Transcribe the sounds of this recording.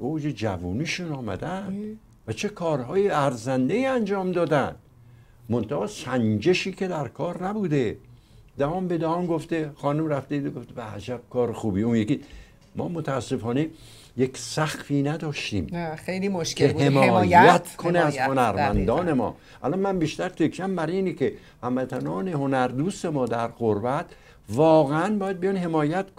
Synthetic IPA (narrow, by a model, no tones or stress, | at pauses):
od͡ʒed͡ʒæ̰vuːniːʃunɒːmæ̰d̪æn | væt͡ʃʰe̞kʰɒːɾɦɒːjeæɾzænd̪eiːænd͡ʒɒːmd̪ɒːd̪ænd̪̥ | mont̪ʰæhɒːsænd͡ʒeʃiːkʰe̞d̪æɾkʰɒːɾnæbuːd̪e | d̪æhɒːmbed̪æhɒːmɡoft̪exɒːnumræft̪ed̪eɡoft̪ebæhæ̰d͡ʒæb̥̚kʰɒːɾexuːbiːunjeki | mɒ̰ːmot̪ʰæːsːe̞fɒːne̞ | jekʲsæxfiːnæd̪ɒːʃt̪ḭːmejlioʃkehemɒːjæt̪kʰoneæzhonæɾmænd̪ɒːne̞mɒ̰ː | ʔæ̰lɒnmænbiːʃt̪æɾt̪ʰekʲʰːæmbæɾiːnikʰe | hæmvæt̪ʰænɒːne̞honæɾd̪uːse̞mɒːd̪æɾɣoɾbæt̪ʰ | vɒːɣeænbɒːjæd̪̚bijɒnɦe̞mɒːjæt̪k